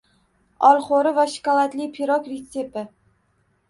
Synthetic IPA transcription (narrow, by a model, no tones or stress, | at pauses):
ɒlˠχoɾɪvaʃɪ̥kalˠat̪lɪpʰiɾɒkɾet̪sepɪ